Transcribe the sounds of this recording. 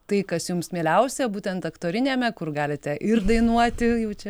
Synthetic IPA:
t̪ɐɪkɐsjʊmsmʲeːlʲɛʊsʲɛbuːt̪ʲɛnt̪ɐkt̪oːɾʲɪnʲeːmʲɛkʊrɡɑːlʲɪt̪ʲɛʔɪrd̪ɐɪnuɔt̪ʲɪjɛʊt͡ʃʲɛ

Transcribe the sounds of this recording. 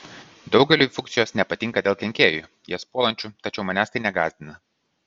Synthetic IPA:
d̪ɒʊɡʲɛlʲuːˑfʊkt̪sʲɪjoːsnʲɛpɐt̪ʲɪŋˑkɐd̪ʲeːlˠkʲɛŋʲkʲeːjuˑ | jiɛspoːlˠɐnʲt͡ʃʲut̪ɐt͡ʃʲɛʊmɐnʲæːst̪ɐɪnʲɛɡɑːzʲd̪ʲɪnɐ

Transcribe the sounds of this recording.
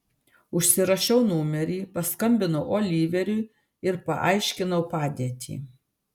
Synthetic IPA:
ʊʃʲsʲɪɾɐʃʲɛʊnuːmʲɛɾʲiːpɐskɐmʲbʲɪnɐʊʔoːlʲiːʋʲɛɾʲuː | ɪɾpɐ̰ʔɐɪʃʲkʲɪnɐʊpɑːd̪ʲiɛt̪ʲḭː

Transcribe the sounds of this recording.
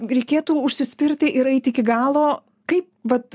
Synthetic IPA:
ɾʲɛɪkʲeːt̪uːʊʃʲsʲɪsʲpʲɪɾʲt̪ʲɪʔɪɾɐɪt̪ʲɪɪkʲɪɡɑːlˠoː | kɐɪp̚ʋɐt̪

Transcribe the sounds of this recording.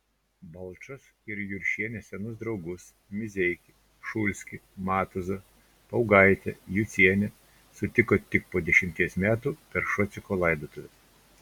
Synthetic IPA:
bɐlˠt͡ʃɔs | ɪɾjʊɾʲʃʲiɛnʲɛsʲɛnʊsd̪ɾɒʊɡʊs | mʲɪzʲɛɪkʲɪ | ʃʊlʲsʲkʲɪmɑːt̪ʊzɐ | pɐʊɡɐɪt̪ʲɛ̰jʊt̪sʲiɛnʲɛ | sʊt̪ʲɪkoːt̪ʲɪk̚poːd̪ʲɛʃʲɪmʲt̪ʲiɛsmʲæːt̪uːpʲɛɾʃɔt̪sʲɪkoːlˠɐɪd̪oːt̪ʊʋʲɛ

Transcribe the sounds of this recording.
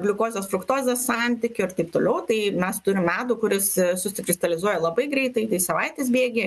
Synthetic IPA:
ɡlʲʊkoːzʲoːsfɾʊkt̪oːzʲɛssɑnʲt̪ʲɪkʲʊɪɾt̪ɐɪpt̪oːlʲɛʊt̪ɐɪmʲɛst̪ʊɾʲɪmmʲæːt̪uːkʊɾʲɪssʊsʲɪkɾʲɪst̪ɐlʲɪzuɔjɛlˠɐbɐɪɡɾʲɛɪt̪ɐɪt̪ɐɪsɐʋɐɪt̪ʲeːs̬bʲeːɡʲeː

